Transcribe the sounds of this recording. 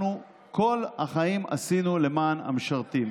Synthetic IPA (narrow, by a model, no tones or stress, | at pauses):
nu | ko̞lhaχaima̰sinule̞maːna̰mʃaʁt̪i